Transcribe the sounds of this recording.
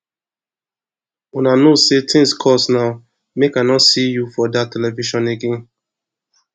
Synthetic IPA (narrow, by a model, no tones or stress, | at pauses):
unanosetʰĩnskʰɔsnaʊ | mekanɔtsijufɔdatɛlɛviʃɔ̃neɡẽn